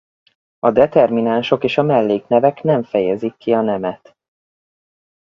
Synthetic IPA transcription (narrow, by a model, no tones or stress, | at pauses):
ɒd̪ɛt̪ɛrminaːnʃo̞keːʃɒmɛlːeːknɛvɛknɛɱfɛjɛzikʰːiɒnɛmɛt̪